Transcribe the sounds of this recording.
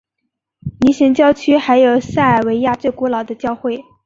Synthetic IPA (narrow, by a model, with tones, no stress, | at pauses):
ni˧˥ɕɛ˧˥ŋt͡ɕjɑ˥˧ʊt͡ɕʰy˥xa˧˥ɪjo˨˩ʊsa˥˩a˨˩ɪwe˧˥ɪja˥˧t͡swe˥˩ɪkɔ˧˥lɑ˨˩ʊd̪ə˦t͡ɕjɑ˥˧ʊxwe˥˩ɪ